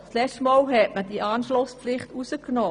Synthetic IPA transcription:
slɛtəmɔːlɦɛtməd̥iʔɑːnʃlʊsplɪχtusəknɔː

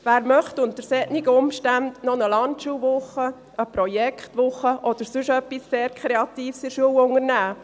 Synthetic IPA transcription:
ʋæːɾmœχtʊntəɾsɛtniɡəʊmʃtændnɔnəlɑntʃuːʋʊχːə | əpɾɔjɛkχtʋʊχəʔɔd̥̪əɾsʉʃœpːisːeːɾkʰɾeɑtiːfsɪɾʃuəwʊŋəɾnæː

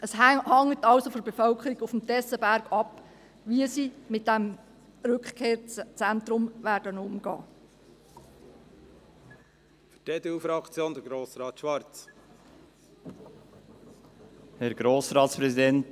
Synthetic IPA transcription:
ʔəshɑŋːətɑlsofɔɾbefœlkʰəɾiɡʊfm̩tɛsəbæɾɡɑp | ʋiəsimɪt̚d̥ɛm | ɾʏkχkʰeːɾt͡sænt̪ɾʊmʋæːɾdənʊmɡɑ̰ː | fy̥teːd̪eufɾɑkt͡sjoːnd̥̪əɾɡɾoːsɾɑːt̪ʃʋɑɾt͡s | hɛɾɡ̥ɾoːsɾɑːt̪spɾɛsid̪ɛnt

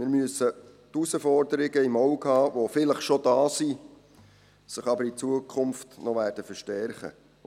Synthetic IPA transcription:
mɪːɾmyəsə | tusəfɔrdəɾɪɡəimɔwkhɑːʋofɪləχʃodɑːsi | səχɑbəɾit͡suəkʰχʊmftnɔʋæːrd̥əfəɾʃtɛɾχə̰

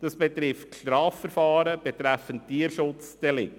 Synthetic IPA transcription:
d̥ɑsb̥ɛt̪ɾɪftʃtɾɑːfəɾfɑːɾəb̥ɛt̪ɾæfəntiːəɾʃʊt͡sd̥ɛlɪk

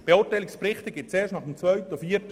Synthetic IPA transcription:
b̥eʊːtaɪlɪksprɪχtəɡɪt̚t͡seːʃtnɑχəmt͡svœʏtɔfiːət

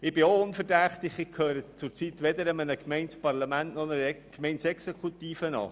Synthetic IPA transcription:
ɪb̥ɪoʊnfərdæχt̪ɪχɪkʰhøːɾət͡sʊɾt͡sit̪ʋɛd̪əɾəmənəkmɛɪnspɑrlɑmæntnɔnəkmɛɪnsɛksɛkʰut̪iːfənɑ̰ː

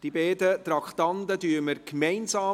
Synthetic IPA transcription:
d̥ibɛːdətɾɑkχt̪ɑnd̪ədyːəməɾkmɛɪnsɑː

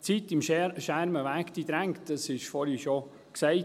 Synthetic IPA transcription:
t͡sit̪ɪmʃæɾməʋæːkt̪id̪ɾæŋtd̥ɑsɪʃfɔɾhiʃo | ksɛɪ

